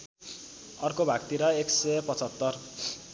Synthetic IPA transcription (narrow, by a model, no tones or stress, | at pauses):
ʌrkobʱaɡt̪iɾʌeksepʌt͡sʌt̪ːʌr